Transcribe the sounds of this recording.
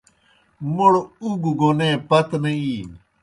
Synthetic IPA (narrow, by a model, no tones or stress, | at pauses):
moɽuɡɡonẽːpɐt̪nẽiː